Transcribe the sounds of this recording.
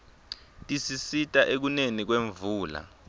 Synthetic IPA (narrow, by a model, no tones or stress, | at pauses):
tʼisisitʼaʔek̬unenik̬weɱvuːla̰